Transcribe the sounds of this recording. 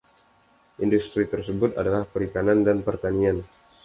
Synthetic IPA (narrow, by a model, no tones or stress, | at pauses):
ʔindust̪ɾit̪ərsəbʊt̪adalahpəɾikanandanpərt̪anian